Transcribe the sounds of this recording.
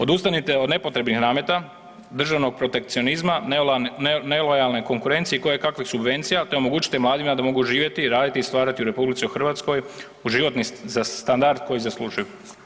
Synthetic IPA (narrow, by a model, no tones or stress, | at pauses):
o̞d̪ust̪anit̪e̞o̞d̪ne̞po̞t̪ɾe̞bnixnaːmjet̪a | d̪r̩ʒaʋno̞ɡ̚pɾo̞t̪e̞k̚t̪sio̞nizman | nelojalne̞ko̞ŋkuɾe̞nt̪sijeiko̞jekakʋixsubʋe̞nt̪sijat̪e̞o̞mo̞ɡuːt͡ɕi̥t̪emlaːd̪imad̪amo̞ɡuʒiːʋje̞t̪iɾaːd̪it̪ist̪ʋaːɾat̪iuɾe̞publit̪siuxr̩ʋat̪sko̞j | uʒiʋo̞t̪nizast̪and̪aɾd̪̚ko̞jizaslˠuːʒuju